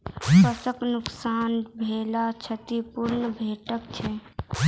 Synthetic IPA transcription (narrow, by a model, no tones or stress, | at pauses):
pəsəknʊksaːnbʱeːlat͡ʃʰət̪ipʊɾnəbʱeːʈəkt͡ʃʰɛ